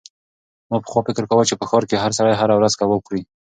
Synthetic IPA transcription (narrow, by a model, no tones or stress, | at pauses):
mɑpə̥xwɑfɪkəɾkawət͡ʃepəxɔɾkeɦaɾs̬aɽajɦaɾawɾazkawəkɽi